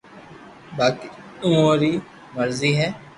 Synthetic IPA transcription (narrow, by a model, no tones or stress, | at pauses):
baːki | ʊõɾiː | məɾziːɦɛː